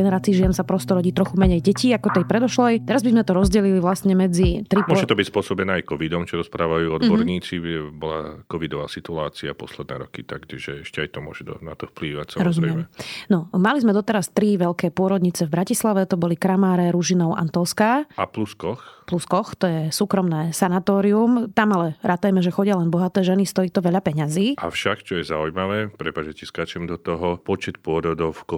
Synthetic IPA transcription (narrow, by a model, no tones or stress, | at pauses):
ɡɛnɛɾaːt͡siːʒɪɛnsapɾɔst̪ɔɾɔɟiːt̪ɾɔxumɛɲɛjɟɛciːakɔt̪ɛjpɾɛd̪ɔʃlɛjt̪ɛɾazbizmɛt̪ɔɾɔzɟɛliliʋlasɲɛmɛd͡zit̪ɾipɔʒɛt̪ɔbicspʊɔsɔbɛnɛːajkɔʋid̪ɔmt͡ʃɔɾɔspɾʔaːʋajuːɔd̪bɔɾɲiːt͡siɛbɔla̰kɔʋid̪ɔʋa̰ːsit̪uaːt͡siapɔslɛd̪nɛ̰ːɾɔkit̪akt͡ʃiʒɛɛʃcɛajt̪ɔmʊɔ̰ʒɛd̪ɔnat̪ɔfpliːʋacsaɾɔzummɛmnɔmalizmɛd̪ɔt̪ɛɾast̪ɾiʋɛʎkɛːpʊɔɾɔd̪ɲit͡sɛvbɾacislaʋɛt̪ɔbɔlikɾamaːɾɛɾuʒinɔʊʔa̰nt̪ɔlskaapluskɔxpluskɔxt̪ɔjɛsuːkɾɔmnɛːsanat̪ɔːɾiumt̪amalɛɾat̪ajmɛʒɛxɔɟɪalɛnbɔɦat̪ɛːʒɛnist̪ɔiːt̪ɔʋɛʎapɛɲaziːʔa̰fʃakt͡ʃɔjɛzaujmaʋɛːpɾɛpaʒɛciskaːt͡ʃɛmd̪ɔt̪ɔɦɔpɔt͡ʃɛt̪pʊɔɾɔd̪ɔʊkɔ